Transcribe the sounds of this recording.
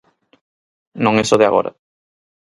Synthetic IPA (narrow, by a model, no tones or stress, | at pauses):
nõŋesoðɪa̰ɣo̰ɾɐ̰